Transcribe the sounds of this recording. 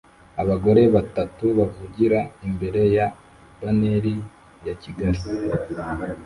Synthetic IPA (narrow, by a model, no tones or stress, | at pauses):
aβaɡo̞ɾe̞βatatuβavuɟiɾaimbe̞ɾe̞ja | baneɾi | jaciɡaɾi